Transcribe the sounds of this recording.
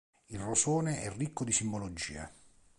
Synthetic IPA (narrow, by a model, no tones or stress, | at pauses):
ilrosoːneʔɛrːikːod̪isimbolod͡ʒḭːa̰